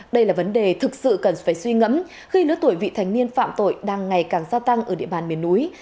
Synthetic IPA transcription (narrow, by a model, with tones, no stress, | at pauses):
ɗə˧jlaː˨˩və˨˦nɗe˨˩t̪ʰɨ˨˩k̚sɨ̰˧˨kə˨˩nfaː˧˩jswi˧ŋə̰˧˨˥m | xi˧lɨ̰˧˥ət̪u˧˩əjvḭ˧˨t̪ʰa˨˩jŋ̟ni˧ənfa̰ː˧˨mt̪o̰˧˨jɗaː˧ŋːa˨˩jkaː˨˩ŋzaː˧t̪a˧ŋʔəː˧˩ɗḭ˧˨əɓaː˨˩nmi˨˩ənːu˨˦j